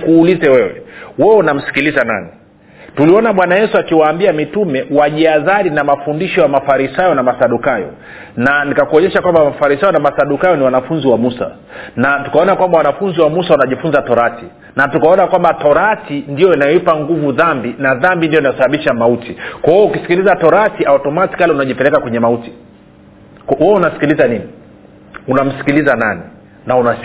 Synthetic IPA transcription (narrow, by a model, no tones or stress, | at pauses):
kuːlizɛwɛwɛ̰wɛɛunam̩si̥kilizana̰ni | tuliɔnaɓwanajɛsuakiwaːmbiamitumɛwaʄiazaɾinamafundiʃɔjamafaɾisajɔnamasaɗukajɔ̰ | nanikakuɔɲɛʃakwambamafaɾisajɔnamasaɗukajɔniwanafunziwamusa̰ | natu̥kaɔnakwambawanafunziwamusawanaʄifunzatɔɾati | natukaɔnakwambatɔɾatindijɔinajɔipaŋɡuvuðambinaðambindijɔinajɔsaɓaɓiʃamautikwahɔukisi̥kilizatɔɾatiʔautɔmati̥kaliunaʄipɛlɛkakwɛɲɛmauti̥ | khuɔunasi̥kilizanini | unam̩si̥kilizanani | nauna